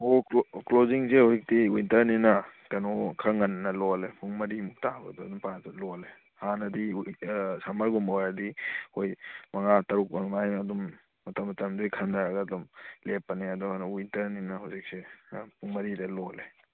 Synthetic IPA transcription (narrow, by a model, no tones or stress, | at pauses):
okloziŋsehozik̚tiwintɐɾninɐkɐnɔkʰɐŋɐnnɐlɔlepʰuŋmɐɾimuk̚tabɐ̰dɔɐdumpatɐlɔle | hanɐdi | samɐɾɡumɔɾɐdihojmɐŋatɐɾuk̚ɐnmajɐdumː | ɐtɐmɐtɐmdujkʰɐndaɾaɡɐːdumlepːɐneɐdɔkɐnɔwintɐɾninɐɦawsik̚sepʰuŋmɐɾidɐlɔle